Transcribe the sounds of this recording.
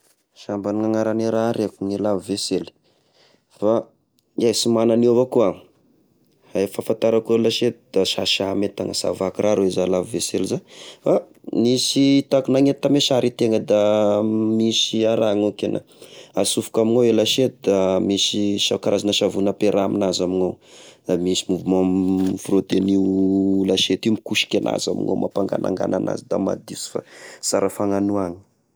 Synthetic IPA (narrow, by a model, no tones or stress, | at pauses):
ʃambaniŋaŋaɾaneɾaɾekuŋilaviveseli̥ | fa | iasimananovakua | haefafant̪aɾakulaʃet̪d̪̥aʃaʃamet̪a̰ŋəsa̰vakirʔaɾoezalaviveselizafa | misit̪akunaŋet̪ameʃaɾʔit̪eŋəd̪a | misiaɾaŋokena̰ | asufu̥kamiŋawelaʃet̪id̪amisiʃakaɾazanəʃavunəpeɾʔaminazamiŋawd̪amisimuvumamfrot̪enilaʃet̪imikuʃi̥kʲanʔa̰za̰mḭŋa̰mʔa̰paŋɡa̰na̰ŋɡa̰na̰na̰zid̪a̰ma̰d̪isi̥fa̰saɾəfaŋanuaŋi̥